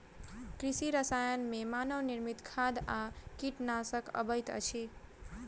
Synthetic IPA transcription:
kɾisiɾəsajənmemanəwniɾmit̪kʰad̪akiʈnasəkə̰bəjt̪ə̰t͡ʃʰi

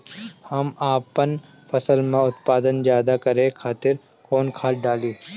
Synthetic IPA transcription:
hɐmaːpən | fʰɐsəlmẽʊt̪̚paːd̪ənzjaːd̪akɐɾẽkʰaːt̪ɪɾ | koːnkʰaːlɖaːliː

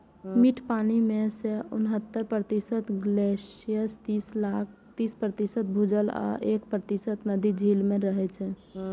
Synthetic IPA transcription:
miʈʰpaːnimeseʊ̰nɦət̪ːəɾpɾət̪isət̪ɡlesijəst̪islak | t̪ispɾət̪isət̪̚bʱud͡ʒəla̰ʔekpɾət̪isət̪nəd̪id͡ʒʱilmẽɾəɦɛt͡ʃʰɛ

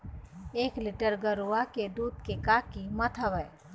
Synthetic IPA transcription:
eːklɪʈəɾɡəɾuaked̪uːd̪kekaːkimət̪ʰəʋəː

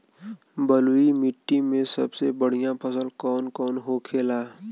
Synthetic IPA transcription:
bəluimɪʈːimẽsɐbsebəɽ̤ijãpʰəsəlkɔːnkɔːnɦokʰeːlaː

